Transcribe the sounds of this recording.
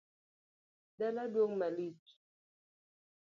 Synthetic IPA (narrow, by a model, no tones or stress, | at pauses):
daladwoŋmalit͡ʃ